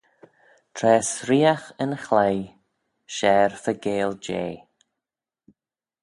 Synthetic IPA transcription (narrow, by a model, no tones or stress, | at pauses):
tʰɾɛːsɾiːaxənxlaj | ʃɛːɹfəɡeːld͡ʒḛː